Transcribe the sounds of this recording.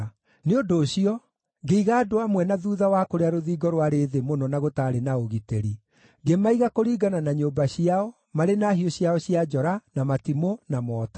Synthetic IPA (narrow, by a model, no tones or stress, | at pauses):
neodoːɕiɔ | ɡeiɣaːdoamwɛnaðuðawakoɾeaɾoðiːɡɔɾwaɾeːðemonɔnaɣotaːɾenaoɣiteɾi | ɡemaiɣakoɾiːɡananaɲoːbaɕiaɔ | maɾenaːhioɕiaɔɕiad͡ʒɔɾanamatimonamɔːtḁ